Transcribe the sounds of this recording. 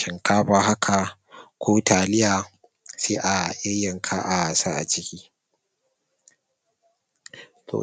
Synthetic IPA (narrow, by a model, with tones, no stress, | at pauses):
ɪ˨ŋkaː˦ɸaː˨ɦa˦kʰa˨ | kʷʰoː˦taː˨lɪ˦jaː˨ | seː˦ʔa˨ʔɪ˦jːɐ˨ŋkʰaː˦ʔa˨sa˦ʔa̰˨t͡ʃɪ˦kʲiː˦ | tʰo̰ː˨